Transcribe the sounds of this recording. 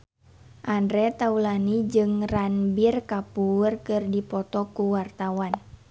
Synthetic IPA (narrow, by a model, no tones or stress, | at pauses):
ʔandɾɛt̪aulanid͡ʒɨŋranbirkapurkɨrdipɔt̪ɔkuwart̪awan